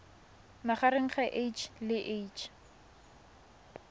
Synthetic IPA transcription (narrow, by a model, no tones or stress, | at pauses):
naχaɾeŋ̩χaʔejt͡ʃʰlɪʔet͡ʃʰ